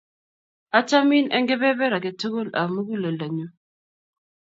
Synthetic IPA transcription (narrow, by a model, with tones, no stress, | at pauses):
a˦t͡ʃa˦mi˦nɛ˦ŋɡɛ˦βɛ˦βɛ˦ɾa˨kɛ˨tʰu˦ko˦la̰˨mu˦ku˦lɛ˨la˨ɲu˦